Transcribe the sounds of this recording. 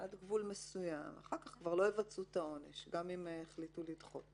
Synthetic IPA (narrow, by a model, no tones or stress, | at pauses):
ʔad̪ɡvulmesujama̰χaʁkaχkvaʁlo̞jevat͡sut̪ao̞ne̞ʃɡamimeχlitulidχo̞̰t